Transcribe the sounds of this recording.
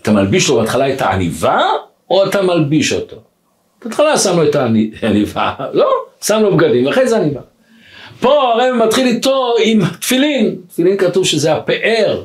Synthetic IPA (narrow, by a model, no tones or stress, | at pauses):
at̪amalbiʃlobeatχalaetaa̰niva | oatamalbiʃo̞to̞ | b̥eat̪χalasamloetanianiva̰lo̞samlobɡadimvaχejzeaniva | po̞aʁejematχilit̪o̞imat̪filint̪filinkatuvʃezeape̞ʔeʁ